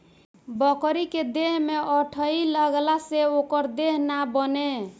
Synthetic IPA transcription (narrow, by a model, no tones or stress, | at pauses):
bəkɾiked̪eɦmeʔəʈʰəiləɡlaseokəɾd̪eɦnabəne